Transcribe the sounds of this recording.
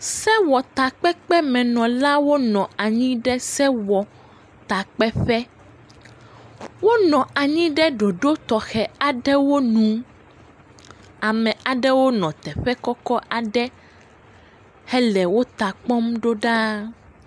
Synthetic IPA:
sɛ˦wɔ˨t̪a˨k͡pɛ˦k͡pɛ˦mɛ̃˨nɔ̃˨la˦wo˦nɔ̃˨a˨ɲĩ˦ɖɛ˦sɛ˦wɔ˨ | t̪a˨k͡pɛ˦ɸɛ˦ | wo˦nɔ̃˨a˨ɲĩ˦ɖɛ˦ɖo˨ɖo˦t̪ɔ˨xɛ˨a˨ɖɛ˦wo˦nũ˨ | a˨mɛ̃˨a˨ɖɛ˦wo˦nɔ̃˨t̪ɛ˨ɸɛ˦kɔ˦kɔ˦ʔa˨ɖɛ˦ | hɛ˦lɛ˨wo˦t̪a˨k͡pɔ˦mɖo˦ɖa˦

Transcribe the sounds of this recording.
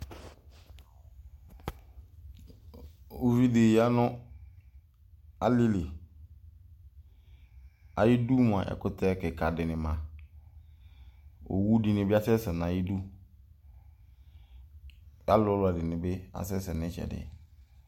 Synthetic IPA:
u˨vi˦de˨ja˦nʊ̃˦ | a˨li˦le˨ | a̰˨jɪ˦du˦mʊ̃˨a̰˨ʔɛ̰˨kʊ˦tʰɛ˦˨kɛ˨kʰa˨dɪ˨nɪ̃˨mã˨ | o̰˨wu˦di˨nɪ̃˨bɪ˦a˦sɛ˦sɛ˨n˨ã˨ji˦du˦ | a˦lɔ˦lʊ˨a˨dɪ˨nɪ̃˨bɪ˦a̰˨sɛ˦sɛ˨nɪ̃˦t͡ʃɛ̰˨dɪ̰˨

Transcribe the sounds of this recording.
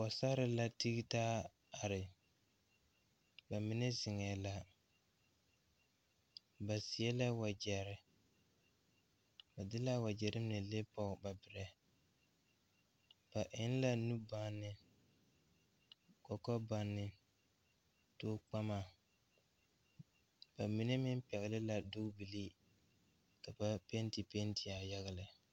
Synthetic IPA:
wɔ˨sa˦ɾɪ˨la˦ti˦ɡi˦taː˦ | a˨ɾɪ˨ | ba˨mɪ˦nɛ˦zɪ˨ŋɛ˨la˦ | ba˨sɪ˨ɛ˦la˦wa˨d͡ʒɛ˨ɾɪ˦ | ba˨dɪ˦la˦wa˨d͡ʒɛ˨ɾɪ˦nɛ˨le˦pɔ˦˨ba˨bɪ˨ɾɛ˨ | b̥a˨ʔɪ˦n˦la˦nu˦ba˦nːɪ˨ | kɔ˨kɔ˦ba˨nːɪ˨ | toː˦k͡pa˦ma˨ | b̥a˨mi˨ne˦mɪ˦m˦pɛ˨ɣɪ˨lɪ˦la˨dʊ˦kbi˨li˦ | ka˨ba˦pe˦nti˨pe˦nti˨a˨ja˦ɣa˦lɪ˨

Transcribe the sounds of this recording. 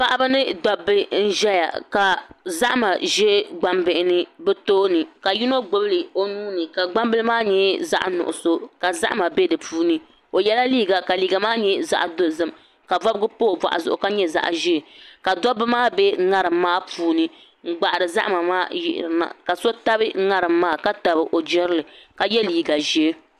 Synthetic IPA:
pa˦ʔa˦bɨ˦nɨ˦dɔ˨bɨ˦n̩˦ʒɛ˦ja̰˨ka˨za˦ʔma˨ʒɛ˦ɡ͡ba˦mbɨ˨ɪ˨nɨ˦bɛ˦toː˦nɨ˨ka˨ji˦no˦ɡ͡bo˦bɨ˦lɨ˨o˦nuː˦nɨ˨ka˨ɡ͡ba˦mbɨ˦lɨ˦maː˦ɲɛ˦za̰˦ʔnʊ̰˨ʔʊ̰˨so˦ka˨za̰˦ʔma˨bɛ˦dɨ˨pʰuː˦nɨ˦ | o˨jɛ˦la˦liː˦ɡa˨ka˨liː˨ɡa˨maː˦ɲɛ˦za̰˦ʔdo˦˨zɨ˦˨m | ka˨va˦bɨ˦ɡɨ˦poː˦˨ba̰˨ʔa̰˨zʊ̰˨ʔʊ˨ka˦ɲɛ˦za̰˨ʔʒɛ˦˨ka˨dɔ˦bɨ˦maː˦bɛ˦ŋa˦ɾɨ˨mːaː˦puː˦nɨ˦ | ŋ̩˦ɡ͡ba˨ʔɾɨ˨za̰˦ʔma˨maː˦jɪ̰˨ʔɪ̰˨ɾɨ˨na̰˨ka˨so˦ta˦bɨ˦ŋa˦ɾɨ˨mːaː˦˨ka˦ta˨bɨ˨ʔo˨d͡ʒɛ˦ɾɨ˦lɨ˨ka˨jɛ˦liː˨ɡa˨ʒɛ˦

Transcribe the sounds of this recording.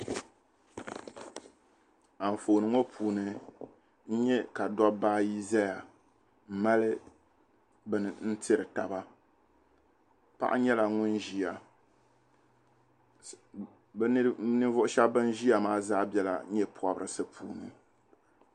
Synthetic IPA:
a˨ɱ˨foː˨nɨ˨ŋo˦pʰuː˨nɨ˨ | n̩˦ɲɛ˦ka˨dɔ˦baː˦ji˦za˦ja˨ | m̩˨ma˦lɨ˦ | bn˨n̩˦tʰɨ˦ɾɨ˨ta˨ba˦ | pa̰˦ʔa̰˦ɲɛ˦la˨ŋʊ˦nʒi˦a˨˦ | nɨ˦vʊ˦ʔʊ˦ʃɛ˦bbɨ˦n˦ʒi˦ja˨maː˦zaː˦bɛ˦la̰˨˦ɲɛ˦pʰɔ˦bɨ˦ɾɨ˨sɨ˦pʰṵː˨nɨ̰˨

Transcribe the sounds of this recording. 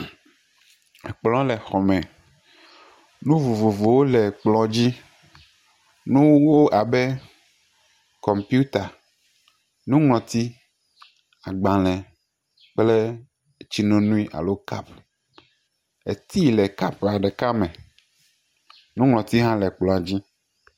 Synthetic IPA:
e˨k͡plɔ̃˨˦le˨xɔ˨mɛ̃˨ | nũ˦vo˨vo˨vo˨wo˦lɛ˨k͡plɔ˨d͡ʑi˦ | nũ˦wwo˦ʔa˨be˦ | kɔ˨mpi˦u˦t̪a˨ | nũ˦ŋlɔ̃˨t̪i˦ | a˨ɡ͡bã˨lɛ̃˨ | k͡ple˦˨ | t͡ɕi˦nõ˦nũ˦i˦ʔa̰˨lo˦ka˦p | e˨t̪i˦˨lɛ˨ka˦pa˨ɖe˨ka˦mɛ̃˨ | nũ˦ŋlɔ̃˨t̪i˦ɦã˦lɛ˨k͡plɔ̃˨a˨d͡ʑi˦

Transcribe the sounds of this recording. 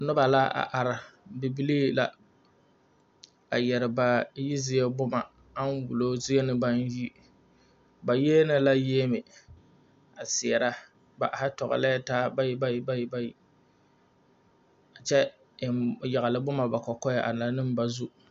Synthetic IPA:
nʊ˦ba˨la˦a̰˨ʔa˨ɾɪ˨bi˨bi˦liː˦la̰˦ | a˨jɛ˨ɾɪ˨ba˨ji˦zɪ˦jɛ˦bʊ˦ma˨ | a˦n˦wu˨lo˦zɪ˦ɛ˦nɨ˦ba˦n˦ji˦ | ba˨je˦nɪ˦la˦je˦mɪ˨ | a˨sɪ˨ɛ˨ɾa˦ | ba˨ʔa˨hɪ˦tɔ˨ɣa̰˨la˦a˦taː˦ba˦ji˦ba˦ji˦ba˦ji˦ba˦ji˨ | a˨t͡ʃɛ˦˨ | ja˨ɣa˨lɨ˦bʊ˦ma˨ba˨kɔ˨kɔ˦ja˨ʔa˨n˨a˨˦nɨ˦m˦ba˨zu˦

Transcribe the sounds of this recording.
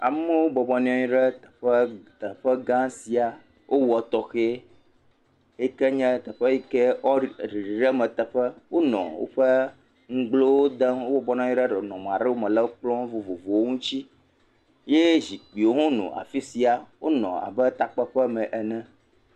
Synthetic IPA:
a̰˨m˦ɛ˦wo˦bɔ˨bɔ˨nĩ˦ɔ̃˦ɲĩ˦ɖɛ˦t̪ɛ̥˨ɸɛ˦t̪ə˨ɸɛ˦ɡã˦si˨a˨ | wʔo˦wɔ˨t̪ɔ˨xe˦ | e˦kɛ˦ɲɛ̃˦t̪ɛ˨ɸɛ˦i˦kɛ˦ɔ˦ɾi˨ɾi˨ɖɛ˦mɛ̃˨t̪ɛ˨ɸɛ˦wʔo˦nɔ̰̃˨wo̰˦ɸə˦ | ŋ̩˦ɡ͡blo˦wo˦d̪ə˦wo˦bɔ˨bɔ˦ñ˦ɔ̃˦ĩ˦ɖɛ˦ɖɛ˨nɔ̃˨m˨ã˨ɾe˦wo˦mɛ̃˨lɛ˦wo˦k͡plɔ̃˦vo˨vo˨vo˨wo˦ŋũ˦t͡ɕi˦ | je˦zi˨k͡pi˨wo˦ɦõ˦nṵ̃˨ʔa̰˨fi˦si˨a˨wʔo˦nɔ̰̃˨a̰˨bɛ˦t̪a˨k͡pɛ˦ɸɛ˦mɛ̃˨ʔɛ˨nɛ̃˦

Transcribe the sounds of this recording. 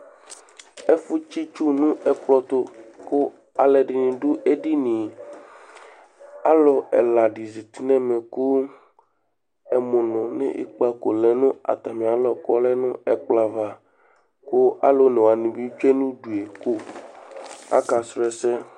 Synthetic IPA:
e˦fu˦t͡ʃi˦t͡ʃu˦nũ˦ɛ˨k͡plɔ˦t̪o˦ko˦ | a˨lɛ˨ɖi˨nĩ˨ɖu˦ʔe˦ɖi˦nĩ˨ | a˦lo˨ɛ̰˨la˨ɖi˨zi˨t̪i˦nɛ̃˦mẽ˨ku˦ | ɛ˨mõ˨nɔ̃˨nḛ̃˦ʔḭ˦k͡pa˦ko˨lɛ˨nũ˦a̰˨t̪a˨mĩ˨a˨lɔ˨kɔ˦lɛ˦nũ˦ɛ˨k͡pla˨va˨ | ko˦a̰˦lo˦ne˨wa˨nĩ˨bi˦t͡ʃe˦nũ˦ɖu˨e˨ku˦ | a̰˦ka˨sɾɛ˦sɛ˦

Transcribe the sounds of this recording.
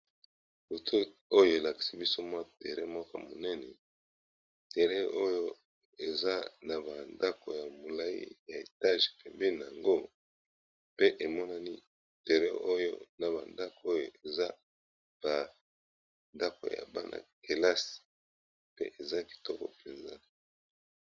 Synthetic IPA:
bo˨tʰo˦o˦jo˦e˨la˨ki̥˨si˦bi˦so˦mwa˦te˨ʁɛ˦mwa˦ka̰˨mo˨nɛ˦nɛ˨ | tɛ˨ʁɛ˦ʔo˦jo˦ | e˨za˦na˨ba˨nda˦ko˨ja˨mo˨la˦ḭ˦ja˨e˨ta˦ʒpɛ˨mbe˦na˨a˨ŋɡo˦ | pe˦ʔe˨mɔ˦na˦ni˦ | te˨ʁɛ˦o˦jo̰˦na˨ba˨nda˦ko˦jo˨e˨za˦ | b̥a˨ | nda˦ko̰˨ja̰˨ba̰˦nʔa̰˨ke˨la˦si̥˨ | pḛ˦ʔe˨za˦ki̥˨tɔ˦kɔ̰˨pe˨nza̰˦

